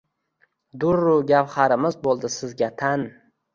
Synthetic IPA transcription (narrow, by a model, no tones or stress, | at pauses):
d̪ʊɾːʊɡʲawhaɾɪmɪzbolˠd̪ɪsɪzɡʲat̪ʰan